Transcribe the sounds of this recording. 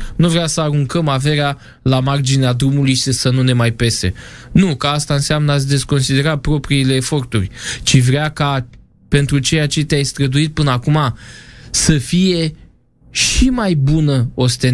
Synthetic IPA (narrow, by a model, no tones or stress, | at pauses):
nuvɾeasəaɾuŋkəmave̞ɾea | lamard͡ʒinead̪ɾumulujʃisənune̞majpe̞se̞̰nukaast̪aɨnseamnəatsʲd̪e̞sko̞nsid̪e̞ɾapɾo̞pɾiile̞ːfo̞rt̪ṵrʲt͡ʃivɾeaka | pe̞nt̪ɾut͡ʃe̞jat͡ʃet̪eajst̪ɾəd̪uit̪̚pɨnəakumasəfije̞ | ʃimajbunəo̞st̪e̞n